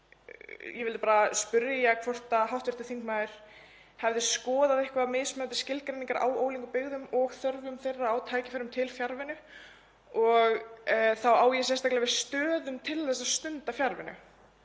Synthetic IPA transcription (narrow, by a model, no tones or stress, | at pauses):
jɛvɪlɪpaːɾaspʏɾjjakʰvɔr̥t̪aɦawht̪vɪ̥ɾ̥t̪ɪ̥θiŋkmaːɪɾ̥ | hɛvðɪskɔːðaðɪhkvaðmejsmœːt̪ɪ̥scɪlkɾejniŋkaɾʔa̰woːwliŋkʏpɪɣðʏmɔɣθœɾvʏmθejrːaːwt̪ʰaːjcɪfaɾʏmt̪ʰɪlfjaɾvɪnʏ | ɔɣθawaːwjɛsjɛst̪aklɪvɪ̥st̪œːðʏmt̪ʰɪlθɛsːast̪ʏnt̪afjaɾvɪnʏ̰